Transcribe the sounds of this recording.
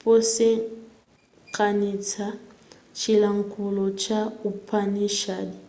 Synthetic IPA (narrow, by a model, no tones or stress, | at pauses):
pʼosɪ | kʼanit͡sʰa | t͡ʃʰilaŋ̩kʼʊlɔt͡ʃʰʼaupʰʼaniʃadi